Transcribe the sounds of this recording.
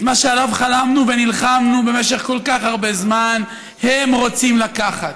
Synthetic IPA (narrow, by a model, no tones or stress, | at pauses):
maʃealavχalamnuvenilχamnube̞meʃe̞χko̞lkaχhaʁbe̞zman | hemʁo̞t͡simlakaχat̪